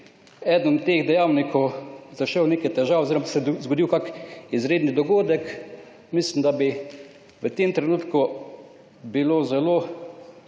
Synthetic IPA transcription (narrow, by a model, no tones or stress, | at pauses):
ɛd̪ənt̪eːɣd̪ɛjawnikʰɔwzaʃɛwneːkɛjt̪ɛʒaːwoziɾɔmasɛzɡoɔd̪iwkakizɾeːd̪nid̪ɔɡoːd̪ɛk | mislimd̪abi | ʋət̪emt̪ɾɛnuːt̪ku | biloːzɛlo